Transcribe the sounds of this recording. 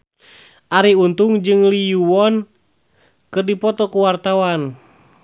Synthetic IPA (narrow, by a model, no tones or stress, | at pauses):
ʔaɾiunt̪uŋd͡ʒɨŋlijuwɔn | kɨrdipɔt̪ɔkuwart̪awan